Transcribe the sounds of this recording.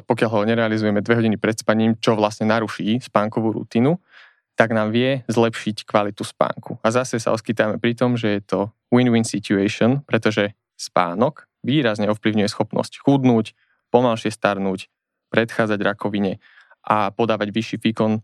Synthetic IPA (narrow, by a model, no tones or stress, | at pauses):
pɔkɪaʎɦɔɲɛɾɛalizujɛmɛd̪ʋɛɦɔɟinipɾɛt̪spaɲiːmt͡ʃɔʋlasɲɛnaɾuʃiːspaːŋkɔʋuːɾṵt̪iːnu | t̪aɡnaːmʋɪɛzlɛpʃickʋalit̪uspa̰ːŋkuazasɛsa̰ɔskit̪amɛpɾit̪ɔmʒɛjɛt̪ɔ | winwinsicuɛʃɔnpɾɛt̪ɔʒɛ | spa̰ːnɔk | ʋiːɾazɲɛɔfpliʊɲujɛsxɔpnɔ̰scxud̪nuːc | pɔmalʃɪɛst̪aɾnuːc | pɾɛt̪xaːd͡zaɟɾakʰɔʋiɲɛ | ʔapɔd̪aːʋaɟʋiʃiːʋiːkɔn